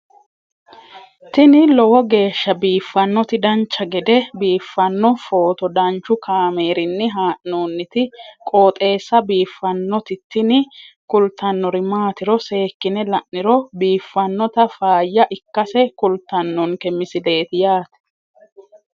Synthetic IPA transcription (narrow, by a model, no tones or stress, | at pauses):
t̪ɪnɪlɔwɔɡe̞ːʃːɐbiːfːɐnːɔt̪ɪd̪ɐnt͡ʃːɐɡɛd̪ɛbiːfːɐnːɔfo̞ːt̪ɔd̪ɐnt͡ʃːʊkʰaːmeːɾɪnːɪɦaːʔnoːnːɪt̪ɪkʼo̞ːt̪ʼe̞ːsːɐbiːfːɐnːɔt̪ɪt̪ːɪnɪ | kʊlt̪ːɐnːɔɾɪmaːt̪ɪɾɔse̞ːkːɪnɛlɐʔːɪɾɔbiːfːɐnːɔt̪ɐfaːjːɐʔɪkːɐsɛkʊlt̪ːɐnːɔŋkɛmɪsɪle̞ːt̪ɪjaːt̪ɛ̥